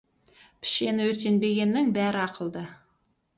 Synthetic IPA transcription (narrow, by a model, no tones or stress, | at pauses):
pʰɪ̥ʃe̞nɪwɵɾt̪e̞nbe̞ɡʲe̞nːɪŋbæɾɪɑqʰəlˠd̪ə